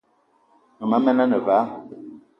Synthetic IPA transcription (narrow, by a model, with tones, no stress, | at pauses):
mə˨ma˨˦mɛ˦na˦nə˨va˨˦